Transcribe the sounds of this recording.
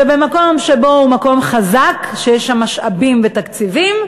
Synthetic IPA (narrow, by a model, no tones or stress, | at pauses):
ebemako̞mʃebo̞humako̞mχazakʃejeʃamaʃʔabimvet̪akt͡sivim